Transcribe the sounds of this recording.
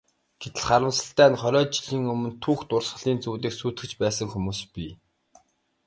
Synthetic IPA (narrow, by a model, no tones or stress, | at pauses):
ɡ̥et̪ɘ̆ɮχaɾə̆msə̆ɬt̪æːnχœɾʲɔːt͡ɕiɮiːŋɵmɵ̆nt̪ʰuːxt̪ʊrsɢə̆ɮiːnt͡suːt̪̬iːksuːt̪ɡɘ̆t͡ɕpæːsə̆ŋxumuːspi